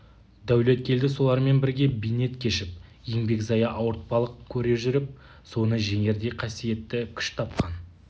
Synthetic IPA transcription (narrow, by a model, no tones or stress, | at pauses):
d̪æwle̞t̪̚kʲʰe̞ld̪ɪsolˠɑɾme̞nbɪɾɡʲe̞bijne̞t̪kʲʰe̞ʃɪp̚je̞ŋbe̞kzɑjɑʔɑwəɾt̪̚pɑlˠəq̚kʲʰɵɾe̞ʒʏɾɪp̚ | so̞nəʒe̞ŋe̞ɾd̪e̞qʰɑsije̞t̪ːɪkʲʰʏ̥ʃt̪ʰɑp̚qɑn